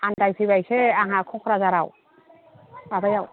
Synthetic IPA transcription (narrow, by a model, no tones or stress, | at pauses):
andajsʰiβajsʰɛaɦakʰɔkʰɾazaɾaw | babajaw